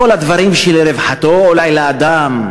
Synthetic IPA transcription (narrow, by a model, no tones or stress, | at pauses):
o̞lad̪vaɾimʃelɾevħat̪o̞ːlajlaːd̪am